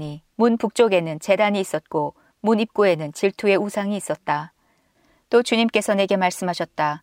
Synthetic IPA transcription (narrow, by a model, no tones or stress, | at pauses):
ɲimunpuk̚t͡ɕ͈oɡe̞nɯnt͡ɕe̞daɲiːs͈ʌt̚k͈o | munip̚k͈ue̞nɯnt͡ɕiɭtʰue̞usʰaŋiːs͈ʌt̚t͈a | t͈ot͡ɕuɲimk͈e̞sʰʌne̞ɡe̞maɭs͈ɯmɦaɕʰʌt̚t͈a